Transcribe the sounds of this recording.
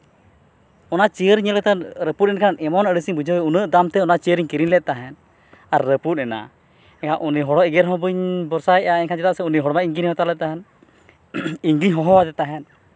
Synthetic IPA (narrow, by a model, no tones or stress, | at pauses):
ɔnat͡ʃijəɾiɲəlkɛt̪anɾəput̚nɛnkʰanɛmɔnəɽisiɲbud͡ʒəwɛunəʔd̪amt̪ɛɔnat͡ʃijəɾiɲkiɾinlɛt̪̚t̪aɦɛn | aɾːəput̪̚ˀɛna̰ | ɛkʰaʔuniɦɔɽɔʔɛɡɛɾɦɔ̃bɯɲbɔɾsajɛaɛɲkʰand͡ʒɛt̪aʔsɛuniɦɔɽɔmaʔiɲɡiɲhɔ̃t̪alɛt̪̚t̪aɦɛn | iŋɡiɲɦɔɦɔwad̪ɛt̪aɦɛn